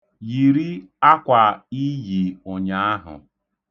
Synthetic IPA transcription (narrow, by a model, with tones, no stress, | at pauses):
ji˨ɾi˦ | a˦kʷa˨i˦ji˨ʊ˨ɲa˨˦a˦ɦʊ̰˨